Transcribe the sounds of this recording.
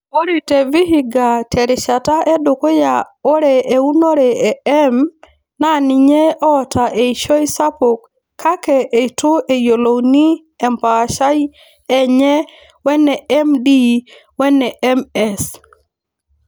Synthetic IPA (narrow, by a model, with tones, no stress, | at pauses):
o˦ɾi˨tɛ˨vi˦ɦi˦ɡa˨tʰɛ˨ɾɪ˨ʃa˨ta˦ʔe˦do˨ko˦ja˨o˦ɾɛ˨e˨u˦no˦ɾɛ˨ɛ˨ɛ˦m | na˦˨nɪ˨ɲe˦ɔ˦ta˨ʔe˨iʃo˦jsa˦po˨kʰː | a˦kɛ˨ʔe˨to˦ʔe˨jo˨lo˨wni˦ | ɛ˨mpa˨ʃa˦j | ɛ˦ɲɛ˦ | wɛ˦nɛ˨ɛ˦mdi˦ | wɛ˦nɛ˨ɛ˦mɛ˦s